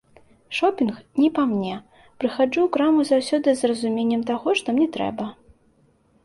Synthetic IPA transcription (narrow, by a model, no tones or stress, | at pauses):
ʂɔpʲinxnʲipamnʲɛ | pɾɨxad͡ʐuwkɾamuzawsʲɔd̪ɨzrɐzumʲenʲːɛmt̪aɣɔʂt̪ɔmnʲɛt̪ɾɛ̰bɐ